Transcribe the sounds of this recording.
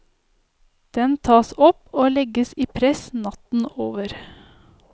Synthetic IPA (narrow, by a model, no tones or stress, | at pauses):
d̪̥ɛnt̪ʰɑːsɔpoːlɛɡəsiːpʰɾɛsnɑt̪n̩oːʋəɾ